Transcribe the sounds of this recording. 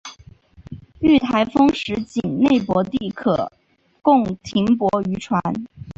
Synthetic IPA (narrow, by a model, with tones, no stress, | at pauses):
y˥˩t̪ʰa˧˥ɪfɤ˥ŋʂɻ̩˧˥t͡ɕi˨˩nne˥˩ɪpwɔ˧˥t̪i˥˩kʰɤ̰˨˩ | kʊ˥˩˧ŋt̪ʰi˧˥ŋpwɔ˧˥y˧˥ʈ͡ʂʰwa˧˥n